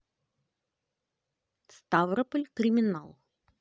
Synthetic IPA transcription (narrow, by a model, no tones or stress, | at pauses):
st̪avɾəpəlʲkɾʲɪmʲɪna̰lˠ